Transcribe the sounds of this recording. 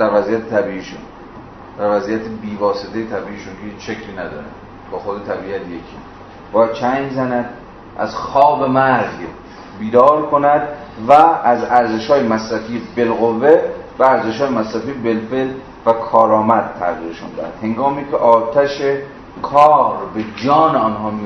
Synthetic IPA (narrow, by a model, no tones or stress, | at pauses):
d̪̥æɾvæzijæt̪ʰet̪ʰæbiːiːʃṵn | d̪̥æɾvæzijæt̪ʰebiːvɒːset̪ʰejet̪ʰæbiːʔiʃunkehiːt͡ʃʃekʰliːnæd̪ɒ̰ːɾæ̰n | bɒːxod̪et̪ʰæbiːæt̪ʰjekʰḭː | b̥ɒːjæd̪̥̚t͡ʃʰæjmzænæd̪ | ʔæ̰zxɒːbemæɾz | biːd̪ɒːɾkʰonæd̪væːzæɾze̞ʃhɒːjemæsɾæfijebelɣovːevææɾze̞ʃhɒːjemæsɾæfijebelfel | vækʰɒːɾɒːmæd̪̥̚t̪ʰːæ̰ɣiːɾeʃṵnd̪æ̰hæ̰d̪he̞ŋɡɒːmiːcʰeʔɒːt̪ʰæʃe | kʰɒːɾbed͡ʒɒːneɒnɦɒːmi